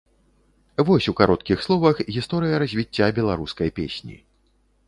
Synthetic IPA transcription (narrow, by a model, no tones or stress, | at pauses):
vɔsʲukaɾɔt̪kʲixslˠɔvɐxɣʲist̪ɔɾɨjɐɾɐzʲvʲit͡sʲːabʲɛlˠaɾuskɐjpʲḛsʲnʲḭ